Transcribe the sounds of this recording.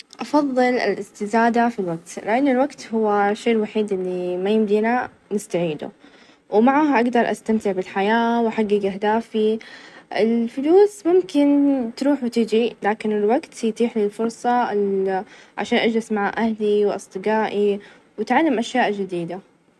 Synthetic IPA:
ʔɑfɑðˤːɨlɪ̰lʔɪst̪ɪzaːd̪afilwaɡ̚t̪lɪʔanːɪlwaɡt̪hʊwːaʃːeːlwaħiːd̪ʔɪlːimajɪmd̪iːna | nɪst̪aʕiːd̪ṵ | wmaʕaːɦʔaɡd̪ɑɾˤʔa̰st̪amt̪ɪʕbɪlħajaːwħaɡːɪɡʔaɦd̪aːfiʔɪlfɪluːsmʊmkɪnt̪ɾuːħwɪt̪ɪd͡ʒilaːkɪnɪlwaɡt̪jt̪iːħlilfʊɾˤsˤɑ | ʕa̰ʃaːnʔad͡ʒlɪsmaʕaːʔahliwʔɑ̰sˤd̪ˤɨɡaːʔi | wɪt̪ʕalːɪmʔaʃjaːʔd͡ʒɪd̪iːd̪a

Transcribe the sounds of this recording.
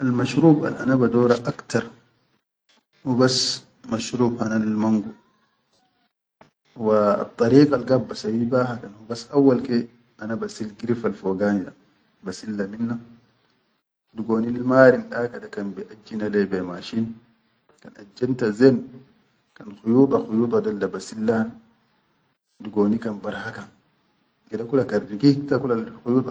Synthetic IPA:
ʔalmaʃɾuːba̰lʔa̰nabadɔːɾaʔakt̪aɾˤ | hubas | maʃɾuːbhanalmaŋɡu | wa̰t̪ˤːɑɾiːkalɡabːasawibaɦakanhubasʔawːalke | ʔanabasilɡiɾifalfoɡaːnida̰ | basilːaminːa | duɡoːnilmaːɾinɗakadakanbiʔad͡ʒːinalɛbɛmaʃin | kanad͡ʒːantazen | kanxujuːt̪ˤɑxujuːt̪ˤɑdalːabasilːan | duɡoːnikanbaɾhakan | ɡɛdakulakariɡiktakulaxujuːt̪ˤ

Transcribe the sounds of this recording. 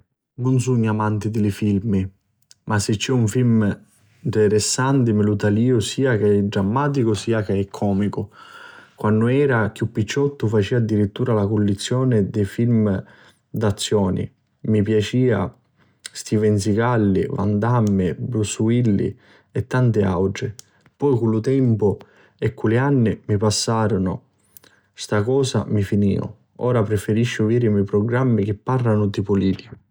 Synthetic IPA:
nʊnsuɲːamant̪id̪ɪlɪfilmi | masɪt͡ʃːɛuɱfilm | t̪ɛɾɛsːant̪ɪmɪlut̪aliːʊsiːakeɛdɾamːaːt̪̬ikʊsiːakeɛkʰːɔːmikʊ | kwʔanːʊɛːɾak̟jupːit͡ʃːɔt̪ːʊfat͡ʃiːad̪ːiɾit̪ːuːɾalakʊlːit̪sːjɔːnɪd̪ɛfilm | d̪at̪sːjɔːnḭ | mipjat͡ʃiːa̰ | st̪ivɛnsikalːḭva̰nd̪amːɪbɾusuilːḭ | ɛt̪ːant̪ɪa̰wd͡ʒɪ | pɔjkulːʊt̪ɛmpʊ | ɛkːulianːɪmipasːaːɾʊnʊ̰ | st̪akɔːsa̰mifinḭːʊ̰ | ɔːɾapɾɪfeɾiʃːʊviːɾɪmɛjpɾɔɡɾamːik̟ɪpːarːanʊd̪ipʊliːli

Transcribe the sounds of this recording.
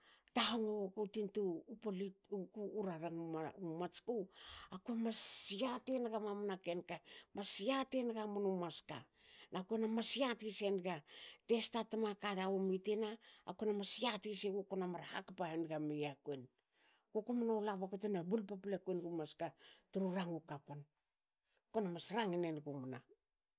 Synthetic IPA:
taɦoŋookotintuːpolitukuːɾaɾaŋumat͡ʃkowakuemasiatenɡamamnakenkamasiate̞nɡamonumaska | nakuenamasiatise̞nɡate̞statamakaɾaomitena̰ːkuenamasiatiseɡokonamaɾaha̰kpaenɡamejakuen | ɡokomunolaβakutenabulpaplekuenɡumaskatuɾuɾaŋukapon | konamasɾaŋinenɡumna

